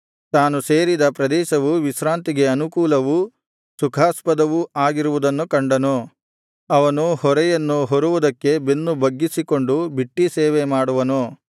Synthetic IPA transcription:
t̪aːnuseːɾid̪ɐpɾɐd̪ɛːʃɐʋuʋisɾaːnt̪iɡe̞ɐnukuːlɐʋu | sukʰaːspɐd̪ɐʋuaːɡiɾuʋud̪ɐnːukɐɳɖɐno | ɐʋɐnuhɔɾɛjɐnːuɦoɾuʋud̪ɐkːe̞benːubɐɡːisiko̞ɳɖubiʈːiseːʋemaːɽuʋɐnoː

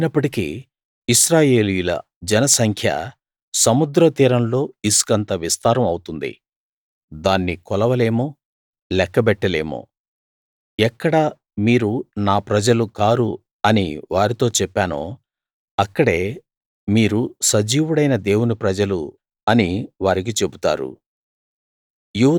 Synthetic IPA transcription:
inɐpːɐʈikḭ | iʃɾaːje̞ːlijulɐ̰ | d͡ʒɛnɐsɐŋkʰjɐ̰ | sɐmud̪ɾɐt̪iːɾɐmlo̞ːiskɐnt̪ɐʋist̪aːɾɐmɐwut̪und̪ḭ | d̪aːnːikɔlɐʋɐle̞ːmoː | lɛkːɐbɛʈːɐle̞ːmo̰ː | ɛkːɐɽɐ | miːɾunaːpɾɐd͡ʒɐlukaːɾu | ɐnḭʋaːɾit̪o̞ːt͡ʃɛpːaːno̰ː | ɐkːɐɽe̞ː | miːɾusɐd͡ʒiːʋuɽɐjnɐd̪e̞ːwunipɾɐd͡ʒɐlṵ | ɐniʋaːɾik̬it͡ʃe̞but̪a̰ːɾṵ | juː

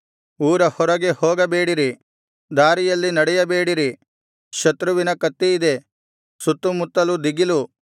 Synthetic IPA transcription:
uːɾɐhɔɾɐɡe̞hoːɡɐbeːɽiɾi | d̪aːɾijɐlːinɐɽɛjɐbe̞ːɽiɾi | ʃɐt̪ɾuʋinɐkɐt̪ːiid̪e̞ | sut̪ːumut̪ːɐlud̪iɡilu

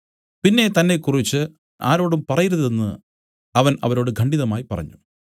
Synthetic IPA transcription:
pinːe̞t̪ɐnːe̞kːurit͡ɕːɨ | a̰ːɾo̞ːɽumpɐrɐjiɾuðe̞nːɨ | ɐʋɐnɐ̰ʋɐɾo̞ːɽɨɡʱɐɳɖiðɐmaːjipɐrɐ̰ɲːu

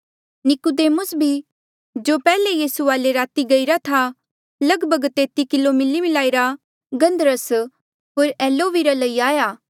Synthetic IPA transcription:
nɪkud̪eːmʊsbʱi | d͡ʒoːpɛːlejiːsuaːleɾaːt̪iɡɐiɾat̪ʰa | lɐɡbʱəɡt̪eːt̪ikɪlomɪlːimɪlaːiɾa | ɡɐ̃nd̪əɾəs | ɦoːɾɛːloːʋiɾalɐiaːjaː

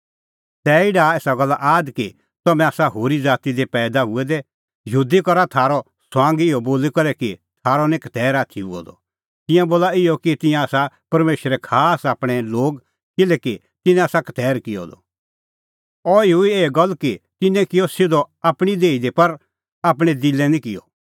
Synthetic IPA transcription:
t̪ɛːɪɖaeːsaɡɐlːaʔaːd̪ki | t̪ɐmɛ̃aːsaɦoːɾid͡zaːt̪id̪epɛːd̪aɦʊɛd̪ɛ | jud̪ikɔɾat̪ʰaːɾɔ | swãːŋɡɪjɔboːlikɔɾɛkit̪ʰaːɾɔnɪkt̪ɛːɾaːt̪ʰiuɔ̰d̪ɔ̰ | t̪ɪ̃jãboːlaɪjɔkit̪ɪ̃jãaːsa | pɐɾmeːʃɾɛkʰaːsaːpɽ̃ɛ̃loːɡ | kɪlɛki | t̪ɪnɛ̃aːsakɐ̥t̪ɛːɾkɪjɔ̰d̪ɔ̰ | ɔiʊieːɡɐlːkit̪ɪnɛ̃kɪjɔsɪd̪ɔaːpɽ̃id̪eːid̪epɐɾ | aːp̬ɽ̃ɛ̃d̪ɪlɛnĩkɪjɔ̰

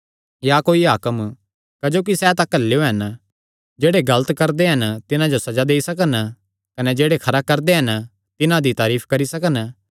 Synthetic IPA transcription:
jakoːiɦaːkəm | kɐd͡ʒoːk̬isɛt̪ãkɐlːejoɦɐn | d͡ʒeːɽeɡɐlət̪kɐɾd̪eɦɐnt̪ɪnãd͡ʒosɐd͡ʒad̪eːisɐkən | kɐnɛd͡ʒeːɽekʰɐɾakɐɾd̪eɦɐn | t̪ɪnãd̪it̪aːɾiːpʰkɐɾisɐkən

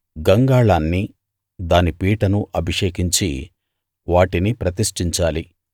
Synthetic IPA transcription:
ɡɐŋɡaːɭaːnːi | d̪aːnipiːʈɐnuʔɐbʱiʂeːkiɲt͡ʃi | ʋaːʈinipɾɐt̪̬iʂʈiɲt͡ʃaːli

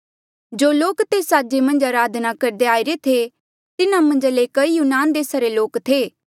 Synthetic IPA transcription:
d͡ʒoːloːkt̪eːsaːd͡ʒemɐ̃nd͡ʒaːɾaːd̪nakɐɾd̪eaːiɾet̪ʰe | t̪ɪnãmɐ̃nd͡ʒaleːkɐijunaːnd̪eːsaɾeloːkt̪ʰeː

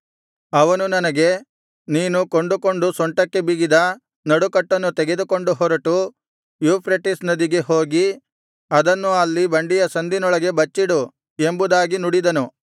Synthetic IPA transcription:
ɐʋɐnunɐnɐɡe̞ | niːnuko̞ɳɖuko̞ɳɖusɔɳʈɐkːe̞biɡid̪ɐ | nɐɽukɐʈːɐnːut̪ɛɡe̞d̪uko̞ɳɖuɦɔːɾɐʈu | juːpʰɾɐʈisnɐd̪iɡe̞ɦo̞ːɡi | ɐd̪ɐnːuɐlːibɐɳɖijɐsɐnd̪inɔɭɐɡe̞bɐt͡ʃːiɽu | e̞mbud̪aːɡinuɽid̪ɐnu

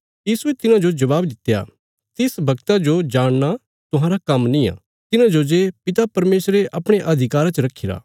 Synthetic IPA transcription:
jiːsuet̪ɪnãd͡ʒod͡ʒɐʋaːbd̪ɪt̪ːeja̰ | t̪ɪsbʱɐɡt̪ad͡ʒod͡ʒaːɽ̃na | t̪ʊɦãːɾakɐmnĩa̰ː | t̪ɪnãd͡ʒod͡ʒepɪt̪apɐɾmeːsɾeʔɐpɽ̃eʔɐd̪ʱɪkaːɾat͡ʃəɾɐkʰːɪɾa̰ː

